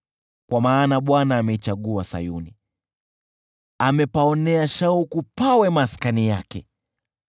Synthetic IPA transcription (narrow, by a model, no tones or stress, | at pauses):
kwamaːnaɓwanaːmɛit͡ʃaɠuasa̰juni | amɛpaɔnɛaʃaukupawɛmaskanijakɛ